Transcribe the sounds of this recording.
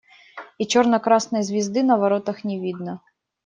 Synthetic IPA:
it͡ʃɔrnɔkɾɑsnɔjzʲʋʲizd̪ɪnɐʋɐɾɔt̪ɐxnʲiʋʲid̪nɐ

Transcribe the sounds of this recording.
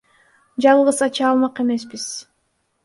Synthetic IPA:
d͡ʒɑlˠʁɯsɑt͡ʃɑːlˠmɑqe̞me̞sbiz̥

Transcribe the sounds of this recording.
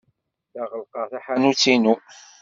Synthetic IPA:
θaʁəlqɑθaħanut͡sːinu

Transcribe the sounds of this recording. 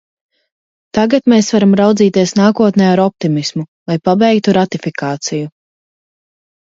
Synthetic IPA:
t̪aɡat̪meːsvaɾamɾawd̪ziːt̪iɛsnaːkuɔt̪nɛːaɾɔp̚t̪imismulˠajpabɛjk̚t̪uɾat̪ifikʰaːt̪siju

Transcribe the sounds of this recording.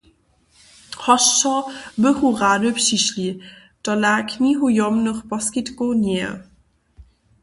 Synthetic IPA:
hɔʃtɔbəhuʁaːdəpʂiʃli | d̥ɔlaːkʰniɦujɔmnəχpɔskɪtkonɛ̰

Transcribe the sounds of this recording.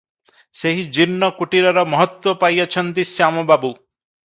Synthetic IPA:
seɦid͡ʒinːɔkuʈiɾɔɾɔmɔɦɔt̪wɔpajɔt͡ʃʰɔnt̪isjamɔbabu

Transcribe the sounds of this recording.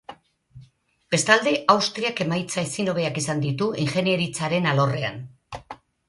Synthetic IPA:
be̞st̪ald̪e̞ʔawst̪ɾiake̞majt͡saesino̞β̞eakisand̪it̪uiŋxe̞nieɾit͡saɾe̞nalo̞re̞a̰n

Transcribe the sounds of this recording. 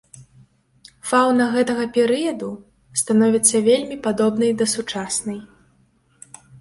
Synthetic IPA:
fawnɐɣɛt̪ɐɣɐpʲɛɾɨjɐd̪u | st̪anɔvʲit̪sːɐvʲelʲmʲipad̪ɔbnɐjd̪ɐsut͡ʂasnɐj

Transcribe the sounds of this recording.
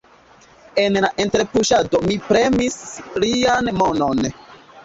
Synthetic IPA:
e̞nlaʔe̞nteɾpuʃadomipɾe̞mislianmono̞n

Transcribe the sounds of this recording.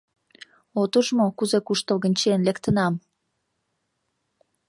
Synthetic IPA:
ot̪əʒmokuzekuʃt̪əlɣə̆nʲt͡ɕenlekt̪ənɑm

